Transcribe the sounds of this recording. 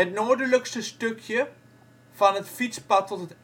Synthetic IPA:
ətnoːdələkstəstøkʰjə | v̥ɑnɦətfitspɑtːɔtət

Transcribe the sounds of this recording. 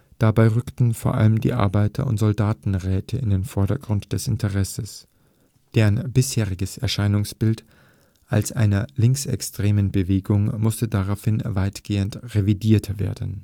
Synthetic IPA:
d̥abaɪʁʏktn̩foːɐʔa̰ləmdḭːʔa̰ɐbaɪtʰɐ̰ʊ̰ntz̥ɔldaːtn̩ʁɛːtʰəɪndeːnfɔɐɾɐɡʁʊntd̥ɛsɪntʰəʁɛsəs | d̥eːnbɪsheːʁɪɡəsɛɐʃaɪnʊŋsb̥ɪlt | ʔalsʔaɪnɐlɪŋksɛ̰kstʁ̥eːmənbəveːɡʊŋmʊstədaʁaʊfhɪnvaɪtɡ̥eːəntʁevidiːɐtʰɐvḛːɐdn̩

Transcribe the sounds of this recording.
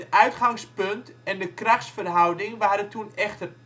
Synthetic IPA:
tœɥtχaŋspɵntɛndəkraχtsfərɦɔwdɪŋʋaːɾətʰunɛχtər

